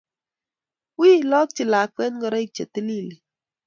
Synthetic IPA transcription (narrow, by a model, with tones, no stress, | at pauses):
wiː˦˨lɔ˦k̚t͡ʃi˨la˨k͡pɛ˦n˦ɡɔ˦ɾɔ˦i˦˨t͡ʃe˨ti˦li˦˨li˨